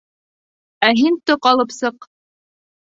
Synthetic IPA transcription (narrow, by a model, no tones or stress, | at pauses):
æɦint̪oqɑlˠɤpsɤq